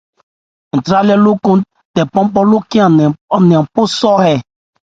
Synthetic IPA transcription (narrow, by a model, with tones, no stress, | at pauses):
n̩˨tɾa˦lɛ˦lʊ˦kõ˦ | tɛ˨pɔ̃˦m˦pɔ˦lʊ˦ki˦˨ɔ˨nĩ˨ã˨m˨pʊ˦sɔ˦hɛ˨